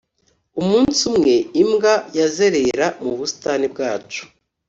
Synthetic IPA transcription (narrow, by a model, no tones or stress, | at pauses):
umuːnsumŋe̞imɡajaze̞ɾeɾamuβusi̥tanib̚ɡaːt͡ʃu̥